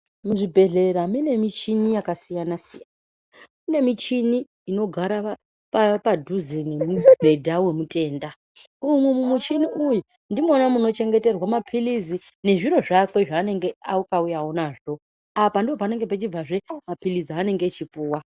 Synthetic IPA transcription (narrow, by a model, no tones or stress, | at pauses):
muʐibʱe̞ɮe̞ɾamine̞mit͡ʃinijakasijanasijan | amine̞mit͡ʃiniː | no̞ɡʱaɾa | papadʱuzene̞mubʱe̞dʱawe̞mutʼe̞ːnda | umwumumut͡ʃiniuju | ndimonamuno̞t͡ʃe̞ŋɡe̞te̞rwamapʰilizi | ne̞ʐiɾo̞ʐakwe̞ʐaːne̞ŋɡe̞aukaujaonaʐo̞ | apandiopane̞ŋɡepet͡ʃib͡vaʐe̞mapiliziane̞ŋɡe̞t͡ʃipuːwa